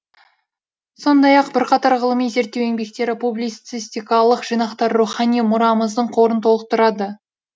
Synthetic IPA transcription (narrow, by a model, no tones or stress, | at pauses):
so̞nd̪ɑjɑqbɪɾqɑt̪ɑɾʁəlˠəmijze̞ɾt̪ːewe̞ŋbe̞k̚t̪e̞ɾɪpublit̪sisʲt̪ijkɑlˠəqʒ̥ijnɑqt̪ɑɾːuχɑnijmʊɾɑməzd̪əɴqʰo̞ɾənt̪ʰolˠəq̚t̪ʰʊɾɑd̪ə